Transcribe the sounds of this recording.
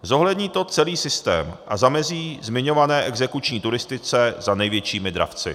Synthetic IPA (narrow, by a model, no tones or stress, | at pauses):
zo̞ɦlɛdɲiːt̪o̞t͡sɛliːsɪst̪ɛ̰ːmʔazamɛziːzmɪɲo̞vanɛːʔɛɡzɛkut͡ʃɲiːt̪uɾɪst̪ɪt͡sɛzanɛjvjɛt͡ʃiːmɪd̪ɾa̰ft͡sɪ̰